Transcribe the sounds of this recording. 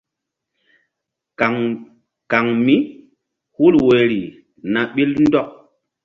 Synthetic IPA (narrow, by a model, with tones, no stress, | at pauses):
a˨ŋ | ka˨ŋmi˦ | hu˦lwe˨ɾi˨ | na˨ɓi˦ln̩˦dɔ˦k̚